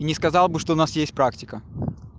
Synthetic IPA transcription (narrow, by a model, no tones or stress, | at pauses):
nʲɪskɐzɑlˠbɨʂt̪oʊnasjesʲt̚ʲpɾaktʲɪkə